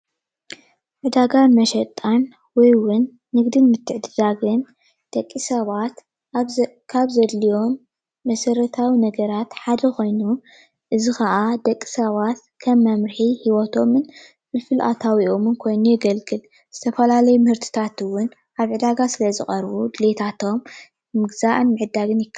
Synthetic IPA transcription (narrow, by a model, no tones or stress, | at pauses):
ʕɨd̪aɡamɐʃɐt̪ʼːan | wɔjwʊnː | ɨɡd̪ɨnmɨt̪ʰːɨʕd̪ɨd̪aɡɨn | d̪̥ɐkʼːisɐβat̪ | kʰaβzɐd̪lijo̞mː | ɐsɐɾɐt̪ʰawinɐɡɐɾat̪ħad̪ɐkʰo̞jnu | ʔɨzixɐʔad̪ɐkʼːi̥sɐβat̪kʰɐmːɐmɾħihiwɔt̪ʰo̞mɨn | fɨlfɨlʔa̰t̪ʰawiʔomɨnkʰo̞jnujɛɡɐlɡɨl | z̥ɨt̪ʰɐfɐlalɐjumɨhɨɾt̪ʰɨ̥t̪ʰat̪ɨwʊn | ʔaβʕɨd̪aɡasɨlɐzɨxʼɐɾbud̪ɨlet̪ʰat̪ʰo̞mː | ɨɡzaʔɨnmɨʕɨd̪ːaɡɨnjɪkʰːa